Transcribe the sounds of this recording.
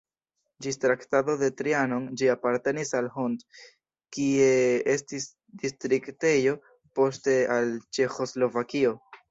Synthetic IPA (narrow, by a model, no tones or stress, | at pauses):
d͡ʒistɾaktado̞de̞tɾiano̞nd͡ʒiapaɾte̞nisalhond | kie̞e̞stis | distɾikte̞jo̞ | po̞ste̞alt͡ʃe̞xo̞zlo̞vakio̞